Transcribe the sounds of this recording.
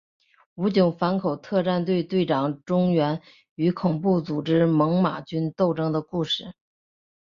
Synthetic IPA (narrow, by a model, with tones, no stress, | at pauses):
u˧˥t͡ɕjʊ˧˩˥ʊfa˧˥nkʰo˨˩ʊt̪ʰɤ˥˧ʈ͡ʂa˥˧nt̪we˥˧ɪt̪we˥˩ɪʈ͡ʂɑ˨˩ŋʈ͡ʂʊ˥ŋɥɛ˧˥n | y˧˥kʰʊ˨˩ŋpu˥˩t͡su˨˩ʈ͡ʂɻ̩˥mɤ˧˥ŋma̰˨˩t͡ɕy˥nt̪o˥˩ʊʈ͡ʂɤ˥ŋd̪ə˨ku˥˧ʂɻ̩˥˩